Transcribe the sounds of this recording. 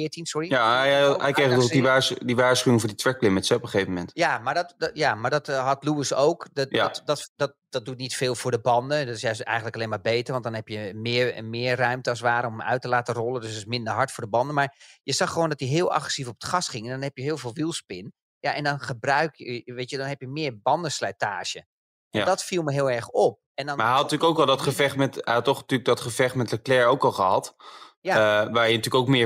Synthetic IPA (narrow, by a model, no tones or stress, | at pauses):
fɪətinsʊrijaɛjkeɔiaːdiʋaːsχyɪŋvʊːditʋɛklɪmətsɛɔpəχeːvəmɛntjamaɹdɔtjamaɹdɔtɦɔtluəsowkddɔtdɔt̚dɔt̚dutnitfeːlˠvʊːɹdəbɔndədɔtɪsjœɥsɛ̰jxən̩tləkaleːnmaːɹbeːtərʋɑntdɔnɦɛpjəmɪmɪːərœɥmtəɑs̬ʋaːɾəomœ̰ɥtəlaːtərɔlˠədøstɪsmɪndərɦɑɹtfʊːdəbɑndənmaɹjəzɑxəʋoːndɔtjəɦɪəlˠʔa̰xrəsifɔpə̥txɑsχɪŋɛndɔnɦɛpjəɦɪːlˠvɪːlˠʋilˠspɪn | jaʔɛndɔnχəbrœɥkjəʋeːtjədɔnɦɛpjəmɪːɹbɑndəslɛjtaːʃə | ɛndɔtfilˠməɦɪːlˠɛɹxɔp̚ɛndɔnmɛjɑtnətyːəkowkʋɛlˠdɔtχəfɛxtmɛtɛɑtoχnətyləɡ̚dɔtχəvɛxmɛtləklɛɹowkɑlˠχəɦɑtjaʋaːɹjənətyːəkoʊk̚mɪː